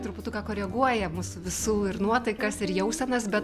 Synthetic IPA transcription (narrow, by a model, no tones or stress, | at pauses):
t̪ɾʊpʊt̪uːkɑːkoːɾʲɛɡuɔjɛmusʊʋʲɪsuːɪɾnuɔt̪ɐɪkɐsɪɾjɛʊsʲɛnɐsbʲɛt